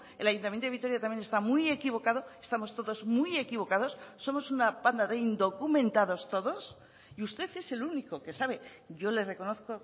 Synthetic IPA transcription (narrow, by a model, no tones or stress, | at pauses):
e̞lajunt̪amjent̪oit̪o̞ɾjat̪amjene̞st̪amuje̞kiβ̞o̞kaðo̞est̪amo̞st̪o̞ðo̞zmuje̞kiβo̞kaðo̞sːo̞mo̞sunapand̪aðe̞ind̪o̞kumẽ̞nt̪aðo̞st̪o̞ðo̞s | iust̪e̞θe̞se̞luniko̞ke̞saβe̞ | ʝo̞le̞re̞ko̞no̞θko̞